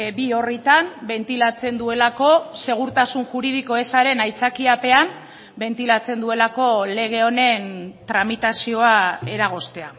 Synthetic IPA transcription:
bio̞rit̪ambe̞nt̪ilat͡se̞nd̪ue̞lako̞se̞ɣ̞uɾt̪asunʝuɾið̞iko̞e̞saɾe̞najt͡sakiape̞am | be̞nt̪ilat͡se̞nd̪ue̞lako̞le̞ɣ̞e̞o̞ne̞nt̪ɾamit̪asio̞ae̞ɾaɣ̞o̞st̪e̞a

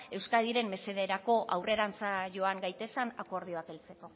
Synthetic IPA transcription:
e̞wskaðiɾe̞mmːe̞se̞ðeɾako̞ʔawre̞ɾant͡saʝo̞aŋɡajt̪e̞sanako̞ɾð̞io̞ake̞lt͡se̞ko̞

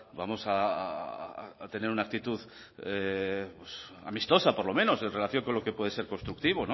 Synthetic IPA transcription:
bamo̞sa | t̪e̞ne̞ɾunaːk̚t̪it̪uð | epwesa̰mist̪o̞sapo̞ɾlo̞mẽ̞no̞se̞nre̞laθjo̞ŋko̞nlo̞ke̞pwe̞ðe̞se̞ɾko̞nst̪ɾuk̚t̪iβ̞ono

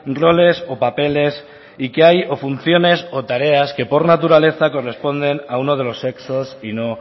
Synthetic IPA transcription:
ro̞le̞so̞pape̞le̞s | ikeajo̞fun̟θjo̞ne̞sot̪aɾe̞aske̞po̞ɾnat̪uɾale̞θako̞re̞spo̞nd̪e̞naunoð̞e̞lo̞se̞ksosino

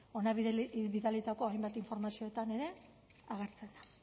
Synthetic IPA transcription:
o̞naββiðalit̪ako̞ajmbat̪iɱfo̞ɾmasio̞et̪ane̞ɾe̞ | aɣeɾt͡se̞nd̪a

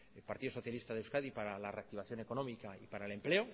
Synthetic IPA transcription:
elpaɾt̪iðoso̞θjalist̪aðewskaðipaɾalare̞ak̚t̪iβ̞aθjo̞ne̞ko̞nõ̞mikaipaɾaele̞mple̞o

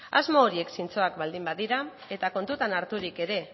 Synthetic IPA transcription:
azmo̞ːɾie̞ksint͡so̞akbald̪imbaðiɾa | e̞t̪ako̞nt̪ut̪anaɾt̪uɾike̞ɾe̞

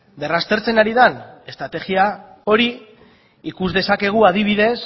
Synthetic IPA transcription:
d̪e̞rast̪e̞ɾt͡se̞naɾiðane̞st̪ɾat̪e̞ɣiao̞ɾi | ikuzðe̞sake̞ɣ̞uað̞iβ̞iðe̞s

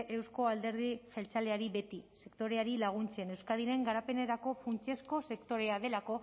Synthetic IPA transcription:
ʔewsko̞ald̪e̞ɾð̞ife̞lt͡sale̞aɾiβe̞t̪ise̞kt̪o̞ɾe̞aɾilaɣ̞unt͡se̞newskað̞iɾe̞ŋɡaɾape̞ne̞ɾako̞funt͡ʃe̞sko̞se̞kt̪o̞ɾe̞aðe̞lako̞

